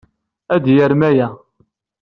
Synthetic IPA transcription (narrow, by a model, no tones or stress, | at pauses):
æd̪jəɾmæjæ